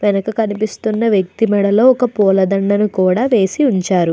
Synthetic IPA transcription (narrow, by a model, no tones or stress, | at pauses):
ʋɛnɐkɐkɐnipist̪unːɐʋjɐk̚t̪imɛɽɐlo̞ːɔkɐpɔːlɐd̪ɐɳːɐnukuːɽaːʋe̞ːsiuɲt͡ʃaːɾu